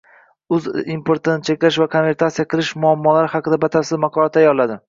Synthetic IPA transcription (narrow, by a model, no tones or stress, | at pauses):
ʊzimpʰoɾt̪ɪnɪt͡ʃʰe̞kʲlaʃvakʰonve̞ɾt̪ʰat̪sijaqʰɨlˠɪʃmʊamːɒlaɾɪhɑqɨd̪abat̪ʰaɾsɪzmɑqʰɒlˠat̪ajɒlˠlːad̪ɪ